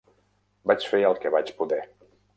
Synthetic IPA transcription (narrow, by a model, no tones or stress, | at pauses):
bat͡ʃfeəlˠkɛβat͡ʃpuðɛ